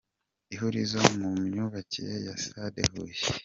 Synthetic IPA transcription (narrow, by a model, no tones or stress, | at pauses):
iɦuɾizomumɲuβacḭɾejasadḛhṵji